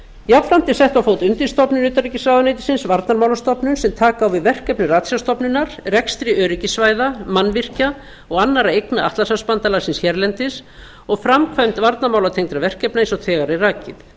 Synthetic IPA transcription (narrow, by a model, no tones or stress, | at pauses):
japfɾam̥t̪ɪsɛht̪awfoːwt̪ʏnt̪ɪnst̪ɔpnʏnʏːt̪aɾicɪsaːðanejt̪ɪ̥sɪnsvaɾt̪naɾmaːwlast̪ɔpnʏnsɛmt̪ʰaːkaːwvɪðvɛr̥kɛpnʏraːt̪sjast̪ɔpnʏnaɾrɛkst̪ɾɪœːɾɪcɪsvaːjðamanːvɪr̥ca | ɔɣanːaɾaejknaaht̪lasaspant̪alaɣsɪnsçɛɾlɛnt̪ɪs | ɔɣfɾamkʰvajmt̪vaɾt̪namaːwlat̪ʰejŋt̪ɾavɛr̥kɛpnaɪns̬ɔθʰɛːɣaɾɪraːcɪθ